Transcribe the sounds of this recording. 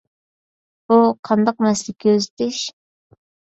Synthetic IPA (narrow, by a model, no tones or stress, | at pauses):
b̥uqʰɑnd̪ɑq̚mɛslɪkʲʰøzɪt̪ʰɪʃ